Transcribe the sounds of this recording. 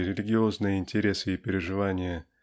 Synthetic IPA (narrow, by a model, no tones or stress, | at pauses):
ɾʲɪlʲɪɡʲɪo̞znɨjəɪnʲtʲɪɾʲe̞sɨipʲɪɾʲɪʐɨvanʲɪjə